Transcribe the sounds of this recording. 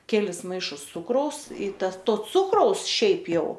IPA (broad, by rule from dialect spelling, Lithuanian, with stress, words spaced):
ˈkʲæːlʲɪs ˈmɐɪʃʊs ˈt͡sʊkrɐʊs iː ˈtɐs ˈtoː ˈt͡sʊkrɐʊs ˈʃʲɛɪp ˈjɛʊ